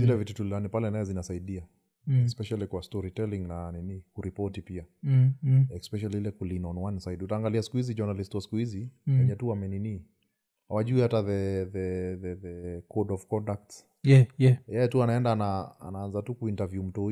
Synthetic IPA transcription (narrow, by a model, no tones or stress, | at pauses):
zilɛvitutulianipalɛnajɛzinasaiɗia | spɛʃalikwastɔɾitɛliŋnaninikuɾipɔtipia | ɛspɛʃ̬aliilɛkulinɔnwansaidutaːŋɡaliasi̥kuhizid͡ʒanalistwasi̥kuhiziwɛɲɛtuamɛnini | hawaʄuihataðɛðɛðɛðɛkɔdɔvkɔndak̚ts | ɛɛjɛjɛtuanaɛndaːnaa̰naanzatukuintavjum̩tɔ